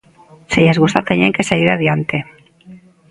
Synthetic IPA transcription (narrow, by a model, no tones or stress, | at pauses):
seʎazɣust̪at̪enieŋkeseʎiɾaðjant̪e